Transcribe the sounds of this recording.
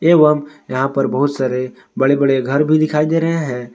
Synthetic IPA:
eːʋəmjɐɦãpɐɾbɐɦʊt̪saːɾe | bɐɽebɐɽeɡʱɐɾbʱid̪ɪkʰaːid̪eɾɐɦẽɦɛ̃ː

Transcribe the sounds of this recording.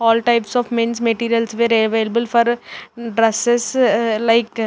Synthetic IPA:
ɔːlʈaɪpsɔːʋmẽnsmeʈiːɾijəlsʋeːɾelʋeːləbəlfɔɾɖɾɐseslaɪk

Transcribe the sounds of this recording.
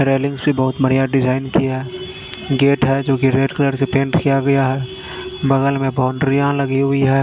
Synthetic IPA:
ɾeːlɪ̃ŋɡsbibɐɦʊt̪bɐɽ̤ijaɖɪzaːɪnkiaɦɛː | ɡeːʈɦɛd͡ʒoːkiɾeːɖkələɾsepẽːɳʈkijaɡɐjaɦɛ | bɐɣəlmẽbaːɳɖɾijãlɐɡiɦʊiɦɛː

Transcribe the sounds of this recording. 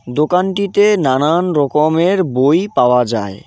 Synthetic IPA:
d̪okanʈit̪enananɾɔkomeɾbojpaoad͡ʑae

